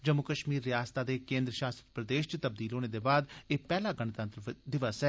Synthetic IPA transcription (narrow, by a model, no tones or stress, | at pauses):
d͡ʒəmːʊkəʃmiːɾːɪjaːst̪aːd̪eːkẽːnd̪ɾəʃaːst̪ɾəpɾəd̪eːʃt͡ʃt̪əb̚d̪iːlɦoːneːd̪eːbaːd̪eːpɛːlaːɡənt̪ə̃nt̪ɾəd̪ɪʋəsɛ